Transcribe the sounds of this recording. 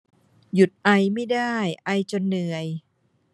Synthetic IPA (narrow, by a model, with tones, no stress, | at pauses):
ju˨˩t̪̚ʔa˧jma˥˩jdaː˥˩jʔa˧jt͡ɕo˧nːɯ˨˩əj